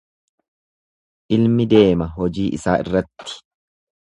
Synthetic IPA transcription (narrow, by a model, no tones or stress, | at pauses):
ʔɪlmɪd̪e̞ːmɐɦɔd͡ʒiːʔɪsaːʔɪ̰rːɐt̪ːɪ̥